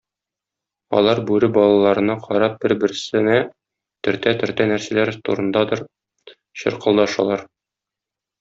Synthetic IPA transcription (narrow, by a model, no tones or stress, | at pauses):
ɒ̰lˠɑɾbʉɾɘbɒlˠɑlˠɑɾɤ̆nɑqʰɒɾɑp̚b̥ɘɾbɘ̆ɾsɘ̆næ | t̪ɵ̆ɾt̪æt̪ɵ̆ɾt̪ænæɾsælæɾt̪ṵɾɤ̆nd̪ɑd̪ɤɾ | ɕɤ̰̆ɾqɤ̆lˠd̪ɑʃɑ̰lˠɑɾ